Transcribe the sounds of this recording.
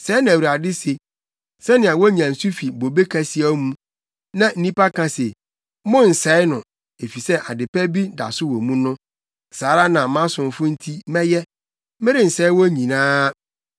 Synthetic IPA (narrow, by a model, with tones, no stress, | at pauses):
sɛː˨˦nã˨wi˨a˨dɪ˦se˨ | sɛ˦nɪ̃˨a˨wɔ˦ɲĩ˨ã˨n̩˨su˦fi˨bo˨be˦kʰa˨si˦a˦mũ˦ | nã˨n̩˦nĩ˦pa˦kʰã˨se˨ | mʊ̃˦n̩˨sɛ˦ɪ˦nʊ̃˨ | e˨fi˨sɛ˦ʔa˨dɪ˨pɛ˦bi˦da̰˨sʊ˦wo˨mũ˦nʊ̃˦ | saː˨˦ɾa˦nã˨mã˦sʊ̃˨m˨fʊ˦n̩˦tʰi˦mɛ̃˦jɛ˦ | mɪ̃˦ɾɪ˦n̩˨sɛ˦ɪ˦wɔ˦ɲĩ˨nãː˦